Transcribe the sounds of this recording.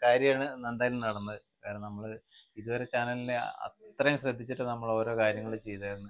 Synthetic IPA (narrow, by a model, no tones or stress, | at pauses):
kaːɾjɐmaːɳɨnɐnɖaːɡilumnɐɽɐnːɐðɨkɐːɾenɐmːɐɭ | iðuʋɐɾe̞t͡ɕaːnɐlileɐ̰t̪rɐjumɕrɐd̪ʱːit͡ɕːiʈːɨnɐmːɐɭo̞ːɾo̞ːkaːɾjɐŋːɐɭet͡ɕe̞jt̪aːɾunːɨ